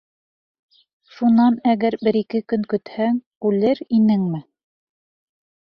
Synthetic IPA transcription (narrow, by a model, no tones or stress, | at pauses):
ʃunɑnæɡæɾbɘ̆ɾikɘkɵŋkɵ̆t̪hæŋ | ʉlɘɾinɘŋmɘ